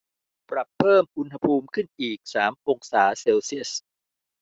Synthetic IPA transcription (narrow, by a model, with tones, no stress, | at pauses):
pɾa˨˩pʰːɤː˥˩mʔu˧nha˧pʰuː˧mkʰɯ˥˩nʔiː˨˩k̚saː˩˦mʔoː˧ŋsaː˩˦seː˧wsi˥˩əs